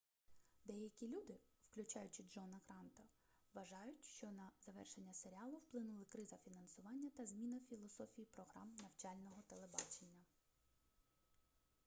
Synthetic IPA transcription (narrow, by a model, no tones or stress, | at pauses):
d̪ɛjɐkʲilʲud̪ɪwklʲʊt͡ʃɑjʊt͡ʃɪd͡ʒɔnɐkɾɑnt̪ɐ | ʋɐʒɑjʊtʲʃt͡ʃɔnɐzɐʋɛ̰rʃe̞nʲːɐseɾʲiɑlˠʊwplˠɪnʊlˠɪkɾɪzɐfʲinɐnsʊʋɑnʲːɐt̪ɐzmʲinɐfʲilˠɔsɔfʲijipɾɔɦɾɑmnɐwt͡ʃɑlʲnɔɦɔt̪elˠebɑ̰t͡ʃenʲːɐ